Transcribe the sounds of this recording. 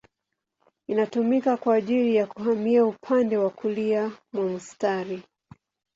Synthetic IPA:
inatumikakwaːʄilijakuɦamiaupʰandɛwakuliamwamustaɾi

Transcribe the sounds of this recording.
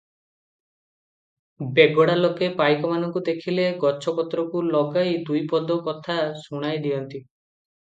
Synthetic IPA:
beɡɔɽalokepajkɔmanɔŋkud̪ekʰileɡɔt͡ʃʰɔpɔt̪ɾɔkulɔɡajd̪ujpɔd̪ɔkɔt̪ʰasuɽ̃ajd̪iɔnt̪i

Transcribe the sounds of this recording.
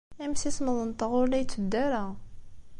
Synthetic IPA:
æmsisməðˤənt̪əʁʊɾlæjt͡sːəd̪ːæɾæ

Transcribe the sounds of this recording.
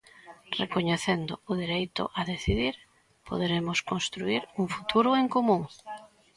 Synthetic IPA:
rekoɲeθend̪ʊʊðiɾejt̪ʊ̰ʔaðeθiðiɾ | po̰ð̞eɾemʊskonst̪ɾuiɾuŋfu̥t̪ʰuɾʊeŋkomũŋ

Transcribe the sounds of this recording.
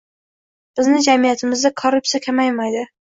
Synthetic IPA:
b̥ɪznɪd͡ʒamijat̪ʰɪmɪzd̪akʰoɾʊp̚tsijakʲʰamajmajd̪ɪ

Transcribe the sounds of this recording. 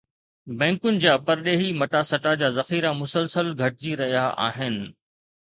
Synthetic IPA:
bɛ̃ːŋkʊnɪ̆d͡ʑaːpɐɾɗeːɦimɐʈasɐʈad͡ʑaːzɐxiːɾamʊsəlsəlɡʱɐʈ̚ɪd͡ʑiɾɐɦijaʔa̰ːɦɪnɪ̆

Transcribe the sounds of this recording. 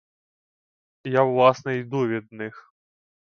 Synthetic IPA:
jawlˠasnɐid̪uvʲid̪̚nɨx

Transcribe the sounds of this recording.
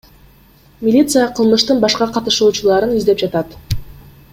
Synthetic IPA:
mʲilʲit̪sɨjəqʰɯlˠmɯʃt̪ɯnbɑʃqɑqɑt̪ɯ̥ʃuːt͡ʃulˠɑɾɯnyzd̪e̞p̚d͡ʒɑt̪ɑt̪

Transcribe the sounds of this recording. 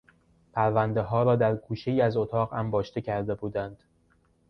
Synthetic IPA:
pʰæɾvænd̪e̞ɦɒːɾɒːd̪æɾkʰuːʃeiːæzot̪ʰɒːɣæmbɒːʃt̪e̞cʰæɾd̪e̞buːd̪ænd̪̥

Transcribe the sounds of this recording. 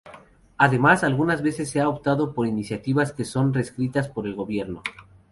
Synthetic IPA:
aðe̞masalɣunazβe̞se̞sːeaopt̪aðo̞po̞ɾinisjat̪iβaske̞so̞nre̞skɾit̪aspo̞ɾe̞lɣo̞βje̞ɾno̞

